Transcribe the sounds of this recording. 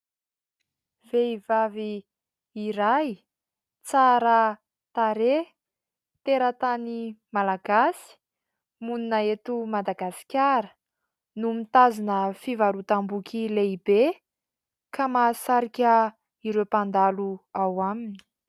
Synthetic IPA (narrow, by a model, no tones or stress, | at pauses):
v̥eivaviː | ɾaj | t͡saɾə | t̪aɾe | t̪eɾət̪animalaɡasi̥ | muninaet̪umad̪aɡasi̥kʲaɾə̥ | numit̪azanəfivaɾut̪ambukʰʲileibe | kamasaɾikʲə | iɾewpand̪aluawamini̥